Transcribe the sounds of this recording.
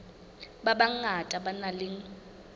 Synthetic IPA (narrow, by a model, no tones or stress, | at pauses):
babaŋ̩atʼabanalɪŋ̩